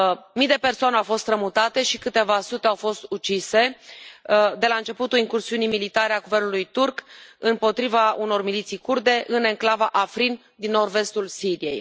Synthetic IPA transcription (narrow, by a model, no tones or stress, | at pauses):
mijd̪e̞pe̞rsoane̞awfo̞st̪ɾəmut̪at̪e̞ʃikɨt̪e̞vasut̪e̞awfo̞st̪ut͡ʃise̞ | d̪e̞laɨnt͡ʃe̞put̪uliŋkursiunijmilit̪aɾeaɡuve̞rnulujt̪urkɨmpo̞t̪ɾivauno̞rmilit̪sijkurd̪e̞ʔɨne̞ŋklavaʔafɾin | d̪inːorve̞st̪ulsiɾije̞̰j